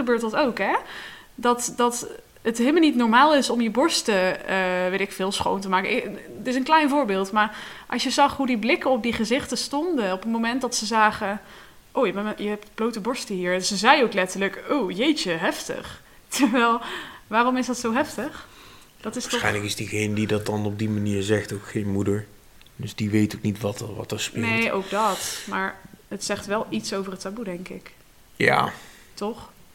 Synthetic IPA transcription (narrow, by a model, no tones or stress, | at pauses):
əbøːɹtdɑtowkɦɛ | dɑtdɑt | ətɦelmlnitnɔɹmaːlˠɪsɔmjəbɔɹstəəʋejtɪkfɪːlˠsχo̰wntəmaːkəʔɪtɪsənklɛjnvʊːɹbɪːlˠtmaːɹʔɑ̰sʃjəzɑχɦudiblɪkəɔp̚diχəzɪχtəstɔndəɔpənmowmɛntdɑtsəzaːχə | ʔowjəbɛjəɦɛp̚tb̥lowtəbɔɹstəɦiːɹnsəzɛjowklɛtəɹləkowjejt͡ʃəɦɛftə̰χ | tʰəɹʋɛlˠʋaːrɔmɪsdɑtsowɦɛftəχ | d̥ɑtɪsɛjnləkɪsdiɣejnədidɑt̚dɑnɔb̚dimaniːɹzɛxtowkxejnmudəɹ | dɵsdiʋejtoknitʋɑtəʋɑ̰təɹspɪnejʔo̰wɡdɑtmaːɹətsɛχtʋɛlˠitsowvərətabudɛŋkɪ̰k | ja̰ː | tɔχ